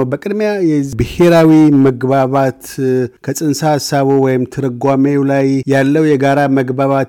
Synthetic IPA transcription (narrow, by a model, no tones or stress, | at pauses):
wbəkʼɨd̪mjajɛbɨhe̞ɾawiməɡbaβat̪kʰəsʼɨnsahasːaβowɔjɪmt̪ʰɨɾɨɡʷamelajjalːəwjɛɡaɾaməɡbaβat̪